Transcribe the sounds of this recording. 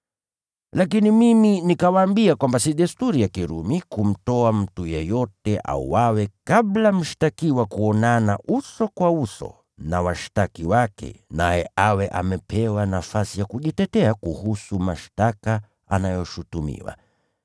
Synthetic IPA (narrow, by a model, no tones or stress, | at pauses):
lakinimiminikawaːmbiakwambasiɗɛstuɾijakiɾṵmikum̩tɔam̩tujɛjɔtɛʔa̰ṵwawɛkablam̩ʃi̥takiwakuɔnanaʔusɔkwausɔ̰ | nawaʃi̥takiwakɛ̰najɛ̰ʔawɛʔamɛpʰɛwanafasijakuʄitɛtɛakuhusumaʃtaka | a̰najɔʃutumḭwa̰